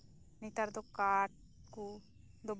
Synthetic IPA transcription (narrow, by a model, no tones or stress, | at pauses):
nit̪aɾd̪okaʈ̚ | ku | d̪ob